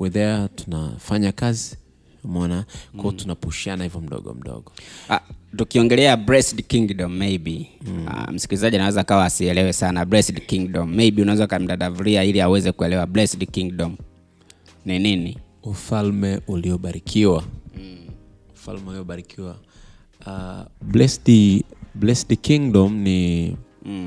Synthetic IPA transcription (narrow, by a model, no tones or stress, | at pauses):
wiðɛatu̥na̰faɲakazi | amɔnakwɔtunapuʃianahivɔm̩ɗɔ̰ɠɔ̰m̩ɗɔ̰ɠɔa̰tukiɔŋɡɛlɛabɾɛsdkiŋɡdɔm̩ːejbia̰m̩si̥kilizaʄianawɛzaːkawaːsiɛlɛwɛsanabɾɛsdkiŋɡɗɔm̩ːejɓiunaɛzakam̩daɗavuɾiailiawɛzɛkuɛlɛwablɛsdkiŋɡɗɔm | ninini | ufalmɛuliɔɓaɾikʰiwa | ufa̰lmɛuliɔɓaɾikʰiwa | ablɛsdblɛsdkiŋdɔmni